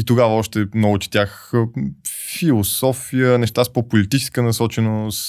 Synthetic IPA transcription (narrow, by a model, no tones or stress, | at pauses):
it̪oɡavəɔʃt̪ɛmnɔɡʊt͡ʃ̪ɛ̥t̪ʲax | filˠosɔfijənɛʃt̪aspopolit̪it͡ʃɛ̥skənɐsɔt͡ʃɛnos